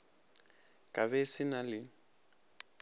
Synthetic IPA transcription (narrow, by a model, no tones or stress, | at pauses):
kʼaβɛsɪnalɪ